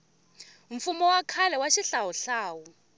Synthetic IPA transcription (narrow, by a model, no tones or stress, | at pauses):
ɱ̩fumɔwakʰalɛwaʃiɬawɔɬaːwɔ